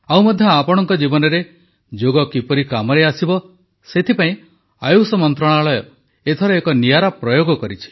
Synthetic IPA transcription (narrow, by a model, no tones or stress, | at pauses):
awmɔd̪ʱjɔapɔɽ̃ɔŋkɔd͡ʒibɔnɔɾe | d͡ʒoɡɔkipɔɾikamɔɾeasibɔ | set̪ʰipaĩ | ajusɔmɔnt̪ɾɔɽ̃aɭɔjɔ | et̪ʰɔɾɔekɔniaɾapɾɔjoɡɔkɔɾit͡ʃʰi̥